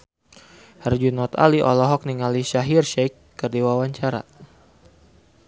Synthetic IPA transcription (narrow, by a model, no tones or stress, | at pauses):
hərd͡ʒunɔt̪a̰liʔɔlɔɦɔk̚niŋaliʃaɦirʃɛkːərdiwawaɲt͡ʃaɾa̰